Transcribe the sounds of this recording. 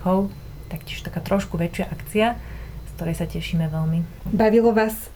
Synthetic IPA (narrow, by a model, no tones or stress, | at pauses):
ɔʊ | t̪akcɪɛʃt̪akaːt̪ɾɔʃkuʋɛt͡ʃɪaʔakt͡siaskt̪ɔɾɛjsacɛʃiːmɛʋɛlmibaʋilɔʋaːs